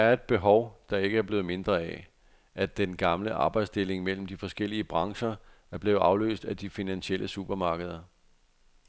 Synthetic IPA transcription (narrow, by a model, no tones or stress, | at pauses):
æɐe̝d̥̚b̥e̝ɦɒʊd̥ɑ̈e̝ɡ̥əæɐb̥le̝ːð̩ˠme̝nd̥ʁɐæ | ʔæd̥enɡ̥ɑ̈mləʔɑ̈ːb̥ɑ̈ɪd̥sd̥e̝le̝ŋmel̰m̩d̥ifɒ̽sɡ̥el̰iəb̥ʁɑ̈ŋɕɐ | æɐb̥le̝ːð̩ˠʔɑ̈ʊlø̰ːsd̥æd̥ifinænɕiel̰ʔəsub̥ɐmɑ̈ːɡ̥əð̞ˠɐ